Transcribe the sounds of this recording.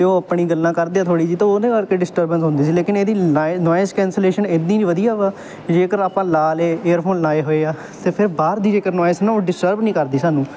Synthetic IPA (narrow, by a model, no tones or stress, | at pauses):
eõːəpɳiːɡəlːãːkəɾd̪eːaːt̪ʰoːɽiːd͡ʒiːt̪õːod̪ẽːkəɾkeːɖɪsʈəɾbənsɦʊ̃nd̪iːsiːleːkɪneːd̪iːaːnɔːjɪskɛ̃ːnseːleːʃənɪd̪nĩːniːʋəd̪ijaːʋaː | d͡ʒeːkəɾaːpãːlaːleːeːəɾpʰoːnlaːeːɦoːeːaː | t̪eːpʰɪɾbaːɾd̪iːd͡ʒeːkəɾnɔːɪsnãõːɖɪsʈəɾbnĩːkəɾd̪iːsaːnũː